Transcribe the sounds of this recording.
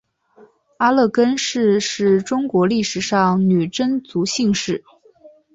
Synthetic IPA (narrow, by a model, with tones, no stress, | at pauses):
a˥lɤ˥˩kə˥nʂɻ̩˥˧ʂɻ̩˥˩ʈ͡ʂʊ˥ŋkwɔ˧˥li˥˩ʂɻ̩˨˩ʂɑ˥˩ŋny˨˩ʈ͡ʂə˥nt͡su˧˥ɕi˥˧ŋʂɻ̩˥˩